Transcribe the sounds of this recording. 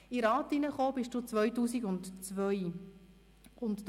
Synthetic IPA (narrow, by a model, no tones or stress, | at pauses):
iɾɑːtinəχoːbɪʃd̥uːt͡sʋœɥtuːsiɡʊntt͡sʋœj | ʊntt